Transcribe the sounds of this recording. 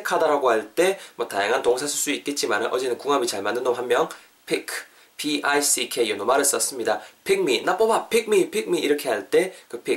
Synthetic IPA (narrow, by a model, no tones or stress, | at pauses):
kʰadaɾaɡoɦhaɭt͈e̞mwʌtajaŋɦantoŋsʰasʰuɭs͈uit̚k͈e̞t̚t͡ɕ͈imanɯnʔʌd͡ʑe̞nɯnkuŋabit͡ɕaɭmanːɯndoɦamːjʌn | pʰikʰ | pʰiais͈ʰikʰejonomaɾɯs͈ʌs͈ɯmɲidapʰik̚minap͈ʌbapʰik̚mipʰik̚miiɾʌkʰe̞ɦaɭt͈e̞kɯpʰi